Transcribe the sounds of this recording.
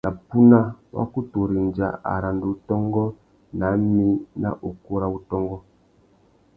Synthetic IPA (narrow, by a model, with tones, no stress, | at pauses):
nʔa˨pu˦na˦wa̰˦ku˦to˨ɾi˨nd͡ʒa̰˨a̰˨ɾa˨ndo˨u˦tɔ˦ŋɡɔ˦ | na˨˦mi˦na̰˦ʔo˨ko˦ɾa˦u˦tɔ˦ŋɡɔ˦